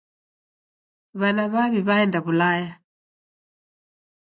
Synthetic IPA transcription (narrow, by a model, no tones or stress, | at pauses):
βanaβaβiβaɛndaβulaja